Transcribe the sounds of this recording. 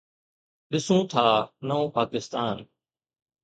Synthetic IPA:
ɗɪsũːt̪ʰaːnəõːpaːkɪst̪aːn

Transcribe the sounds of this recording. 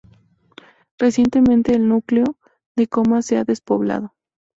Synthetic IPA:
resje̞nt̪emẽnt̪e̞ːlnukleo | ðekomaseaðespoβla̰ð̞o

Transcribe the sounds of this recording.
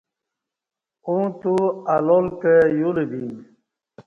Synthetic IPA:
ũt̪ualolkejulebin

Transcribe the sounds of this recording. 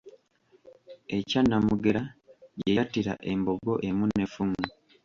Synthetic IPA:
e̞canːamuɡe̞ɾajejatiɾa̰ʔe̞mboɡo̞ʔe̞munefuŋu

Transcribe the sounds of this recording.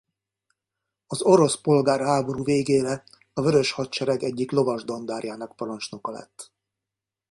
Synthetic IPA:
ɒzo̞ɾo̞spo̞lɡaːrɦaːbo̞ɾuːveːɡeːɾɛ | ɒvøɾø̞ʃhɒtt͡ʃɛɾɛɡɛɟːiklovɒʒd̪o̞nd̪aːrjaːnɒk̚pɒɾont͡ʃno̞kɒlɛ̰t̪ː

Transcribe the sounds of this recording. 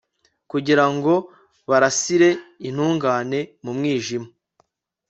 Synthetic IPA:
kuɟiɾaŋɡo̞ | βaɾasiɾe̞in̥huːŋɡaːne̞mumŋiːʒima

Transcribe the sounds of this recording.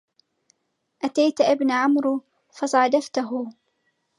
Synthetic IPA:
ʔat̪ajt̪ʔɪbnʕʊmɾ | fɑsˤɑʕɑd̪aft̪aɦʊ

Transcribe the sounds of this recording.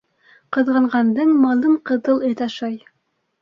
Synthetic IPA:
qɤ̆ðʁɑ̆ɴʁɑnd̪ɤɴmɑlˠɤɴqɤ̆ðɤlˠɘ̆t̪ɑʃɑj

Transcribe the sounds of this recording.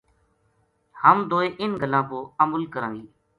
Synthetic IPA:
həmd̪oːeːʔɪnɡʱəlãːpoːəməlkəɾãːŋɡiː

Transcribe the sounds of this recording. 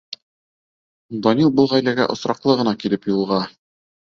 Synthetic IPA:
d̪ɒnʲilˠbɤlˠʁæjlæɡæ̰ʔŏsɾɑqlˠɤʁɤ̆nɑkilɘpjulˠʁɑ

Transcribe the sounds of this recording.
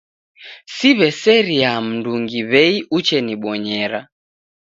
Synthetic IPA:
siβɛsɛɾiam̩nduŋɡiβɛiut͡ʃɛniɓɔɲɛɾa

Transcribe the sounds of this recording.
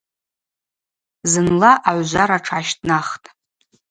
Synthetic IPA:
zɨnlaʔaʕʷʒʷaɾaʈ͡ʂʰaʃtʰʼnaχtʼ

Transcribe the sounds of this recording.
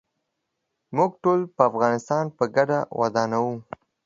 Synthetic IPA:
mʊɡʈolpəafɣɑnɪst̪ɑnpəɡaɖawʔa̰d̪ɑnawu

